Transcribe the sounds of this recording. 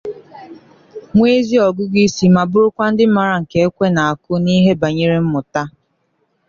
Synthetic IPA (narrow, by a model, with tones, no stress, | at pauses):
ŋʷe˦zi˦ɔ˨ɡʊ˦ɡi˦si˨ma˨bʊ˦ɾʊ˦kʷa˦n̩˦dɪ˦m̩˦ma˨ɾa˨ŋ̩˨ke˨e˦kʷe˦na˨a˨kʊ˦ni˦ɦe˦ba˨ɲe˦ɾe˦m̩˦mʊ˨ta˦